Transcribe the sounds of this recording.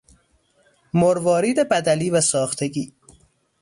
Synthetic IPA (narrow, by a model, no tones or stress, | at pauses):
moɾvɒːɾiːd̪ebæd̪æliːvæsɒːxt̪ʰeɡiː